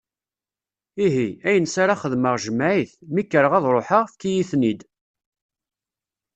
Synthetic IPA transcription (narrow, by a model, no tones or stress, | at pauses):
iɦiæjənsaɾaχəðməʁʒəmːʕiθmikːəɾəʁɑðˤɾˤoħəʁfkijiθnid̪